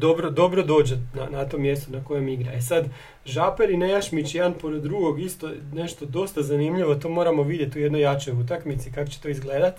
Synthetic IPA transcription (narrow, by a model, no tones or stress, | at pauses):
d̪obɾod̪o̞bɾo̞d̪o̞ːd͡ʑenanat̪o̞mːje̞st̪onako̞je̞miɡɾaesad̪ | ʒapeɾinejaʃmit͡ɕjeanpo̞ɾed̪ːɾuɡo̞ɡist̪o̞ne̞ʃt̪od̪o̞st̪azanimʎiʋot̪oːmo̞ːɾamo̞ʋid̪jet̪ujed̪nojat͡ʃo̞jut̪̬akmit̪sikako̥t͡ɕet̪o̞izɡle̞ːd̪at̪